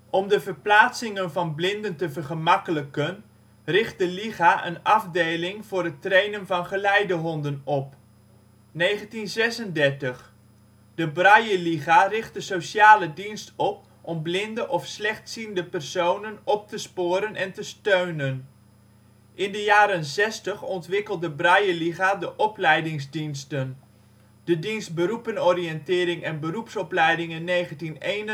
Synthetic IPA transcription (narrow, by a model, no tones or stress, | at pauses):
ʔɔmdəvəɹplaːsɪŋənvɑnblɪndəntəvəɹχəmɑkələkən | rɪχt̚dəliχaʔə̰nɑvdejlɪŋv̥ʊːrətrejnənvɑnχəlɛjdəɦɔndənɔp | nejχəntinzɛsəndɛɹtəχ | d̥əbrɑjəliχarɪχtdəsowsaːlədinstɔp̚ | ʔɔmblɪndəʔɔfslɛχtsindəpɛrsownənɔp̚təspʊːɾənʔɛntəstøɥnən | ʔɪndəjaːɾənzɛstəχɔntʋɪkəlˠddəbrɑjəliɣadəʔɔplɛjdɪŋzdinstən | d̥ədinstbərupənɔrijɛntɪːɾɪŋɛnbərupsɔplɛjdɪŋɪnːejχəntinejn